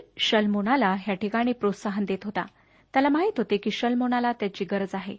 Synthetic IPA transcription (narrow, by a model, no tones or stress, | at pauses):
ɕəlmoɽalaɦjaʈikaɽ̃iːpɾot̪saɦənd̪et̪ɦot̪a̰ | t̪jalamaɦit̪ɦot̪ekiːɕəlmoɽ̃alat̪jat͡ɕiːɡəɾəd͡zaɦḛ